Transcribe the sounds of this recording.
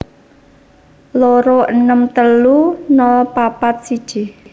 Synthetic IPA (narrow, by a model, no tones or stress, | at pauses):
loɾoʔənəmt̪əlunɔlpapat̪̚sid̥ʒ̥i